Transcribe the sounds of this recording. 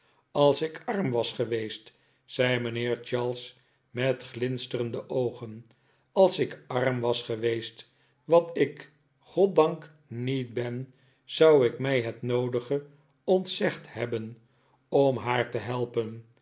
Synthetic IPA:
ɑlˠsɪkɑɹmʋɑsχəʋejst | sɛjmənɪːɹt͡ʃɑɹlˠs | mɛtχlɪnstərəndəʔowχən | ɑlˠsɪkɑɹmʋɑsχəʋejst | ʋɑtɪk | χɔt̚dɑŋk | nit̚bɛn | z̥ɑwɪkmɛjɦətnowdəχə | ɔntsɛχthɛbən | ɔmɦaːɹtəɦɛlˠpən

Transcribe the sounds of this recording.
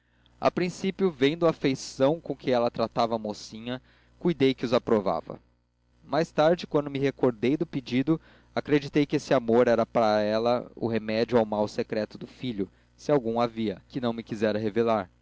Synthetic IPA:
a̰pɾĩsipjʊvẽd̪ʊafejsɐ̃w̃kõkʰɪɛlɐt̪ɾat̪avɐːmosĩɲɐ | kujd̪ejkɪʊzapɾova̰vɐ̰ | majst̪aɾd͡ʒɪkwɐ̃nd̪ʊmɪɦekoɾd̪ejd̪ʊpɪd͡ʒid̪ʊ | akɾed͡ʒit̪ejkɪesɪamoɾɛɾɐpaɾɐɛlɐʊ̰ɦemɛd͡ʒʊawmawsekɾɛt̪ʊd̪ʊfiʎʊ | sɪawɡũaviɐkɪnɐ̃w̃mɪkizɛɾɐɦevelaɾ

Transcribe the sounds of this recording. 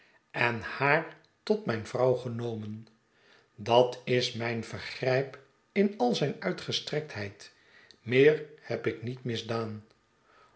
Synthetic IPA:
ʔɛnhaːɹ | tɔtmɛjnvrɑwχənowmən | dɑtɪsmɛjnvəɹχrɛjp | ɪnɑlˠzɛjnœɥtχəstrɛk̚tɦɛjt | mɪːɹhɛpɪknitmɪzdaːn

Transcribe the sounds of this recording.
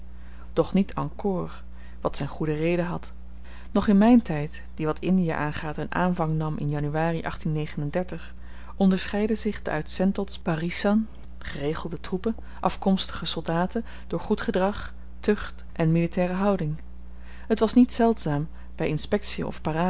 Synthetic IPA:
d̥ɔχnitʰɑ̰ŋkʊːr | ʋɑtsɛjnχudərejdəɦɑt | nɔχɪnmɛjntɛjt | d̥iʋɑtɪndija̰ʔaːnχaːtənʔa̰ːnvɑŋnɑmʔɪ̰njɑnyʋaːriʔɑχtinːejχənəndɛɹtəχ | ʔɔndəɹsχɛjdəzɪχdə̰ʔœ̰ɥtsɛntɔlˠsb̥arisɑn | χərejχəlˠdətrupə | ʔɑfkɔmstə̥χəsɔlˠdaːtən | d̥ʊːɹχutχədrɑχ | tøχt | ʔɛnmilitɛːrəɦɑwdɪŋ | ətʋɑsnitsɛlˠtsaːm | bɛjɪnspɛk̚siə̰ɔ̰fpaːraː

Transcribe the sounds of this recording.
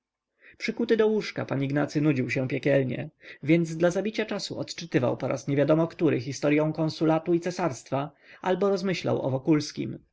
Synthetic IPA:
pʂɘkut̪ɘd̪ɔwuʂka̰paɲiɡnat̪sɘnud͡ʑiwɕɛ̃pʲjɛkʲɛlɲɛ̰vʲjɛnd̪zd̪lazabʲit͡ɕat͡ʂasṵɔt̪t͡ʂɘt̪ɘva̰wpɔɾʔa̰sɲɛvʲjad̪ɔmɔkt̪uɾɘxʲist̪ɔɾjɔ̃w̃kɔ̃nsulat̪uit̪sɛsaɾst̪fa | ʔalbɔɾɔzmɘɕla̰wɔ̰vɔkulskʲḭm

